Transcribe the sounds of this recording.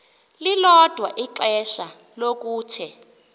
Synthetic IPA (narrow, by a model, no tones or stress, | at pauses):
lilɔd̥ʱwa̰ʔiǁɛʃa | lok̬uːtʰɛ